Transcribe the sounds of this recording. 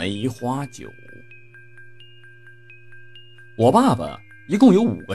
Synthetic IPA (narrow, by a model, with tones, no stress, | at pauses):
a˧˥i˧˥xwa˥t͡ɕjo̰˨˩˦ | wɔ˨˩pa˥˩bə̰˩ | i˧˥kʊ˥˩ŋjo˧˥ʊṵ˨˩ɡə˦